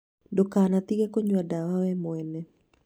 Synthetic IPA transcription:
dɔkanat̪iɡekoɲwadawawɛmwɛnɛ

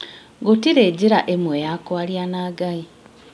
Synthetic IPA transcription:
ɡutiɾeːɟiɾaʔemwejakwaljanaːɡai

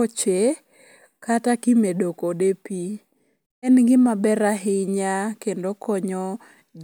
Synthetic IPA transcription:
ot͡ʃe | katakɪmedokodepi | ɛnɡɪmabɛɾaɦɪɲakendokɔɲɔ | d͡ʒ

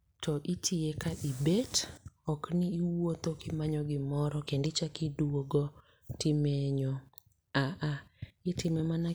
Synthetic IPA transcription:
tɔʔitʰiekaʔibetɔknɪːwot̪okɪmaɲɔɡɪmɔɾɔkendɪt͡ʃakiduwoɡo | tɪmɛɲɔ | aʔaɪtɪmɛmana

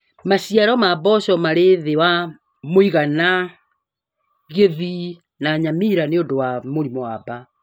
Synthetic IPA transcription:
maɕiaɾɔmabɔɕɔmaɾeðewa | moiɣana | ɣeði | naɲamiɾaneondowamoɾimoaba

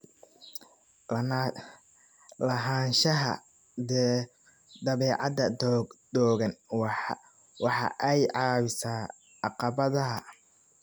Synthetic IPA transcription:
lɐɦaːnʃɐɦɐ̰ | d̪ɛː | d̪ɐβɛːʕɑd̪ɐd̪ɔːɣɐnw | wɑħɑ̰ʔɛjʕɑːβɪsaː | ɑqɑβɐðɐɦɐ

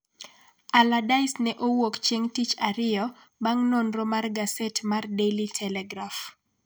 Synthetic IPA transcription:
aladaɪsnɛʔowokt͡ʃeŋtit͡ʃaɾɪjɔ | baŋnonromarɡasɛtmardelitʰɛlɛɡɾaf

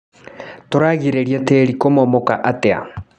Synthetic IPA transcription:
toɾaɣiɾeɾjɛteɾikomɔmɔkaʔatea̰

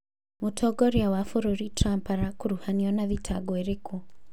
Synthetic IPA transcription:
mutʰɔɡɔɾjawafuɾuɾitɾampaɾakuɾuhaniɔnaðitʰaɡwɛɾeku

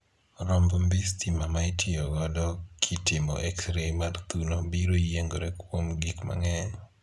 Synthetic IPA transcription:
ɾɔmbɔmbistimamaitʰɪɔɡɔdɔkʰitɪmɔ̰ʔɛksɾemart̪unobiɾojeŋɡoɾekwomɡikma̰ŋɛ

